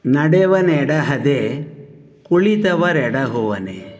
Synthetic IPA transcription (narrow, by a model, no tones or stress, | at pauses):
nɐɽeʋɐneɽɐɦɐd̪e | kuɭit̪ɐʋɐɾɛɽɐɦuʋɐnḛ